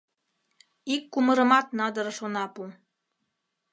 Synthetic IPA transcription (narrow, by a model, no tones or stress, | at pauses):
ikːumɤ̆ɾə̆mɑt̪nɑd̪ɤ̆ɾɤʃonɑpu